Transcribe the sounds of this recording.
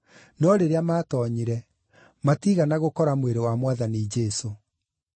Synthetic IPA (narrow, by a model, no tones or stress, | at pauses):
nɔɾeɾeamaːtɔɲiɾɛ | matiɣanaɣokɔɾamweɾewamwaðanid͡ʒɛso